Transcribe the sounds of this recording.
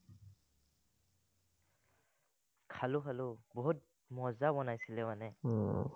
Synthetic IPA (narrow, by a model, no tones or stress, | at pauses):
kʰalʊkʰalʊbɔɦut̚ | mɔzabɔnajsilɛmanɛ